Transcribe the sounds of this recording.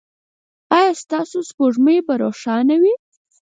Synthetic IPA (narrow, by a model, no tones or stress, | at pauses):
ɑjɑst̪ɑsospoʐməbaɾoʂɑnawi